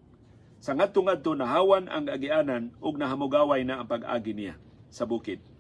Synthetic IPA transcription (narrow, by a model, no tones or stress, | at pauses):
saŋad̪̚t̪ʊŋad̪̚t̪onaɦaːwanʔa̰ŋɡaaɡiʔaːnanʔʊɡ̚naɦamʊɡaːwajnaʔːŋpaɡʔa̰ːɡinija̰ | sabuːkɪd̪̚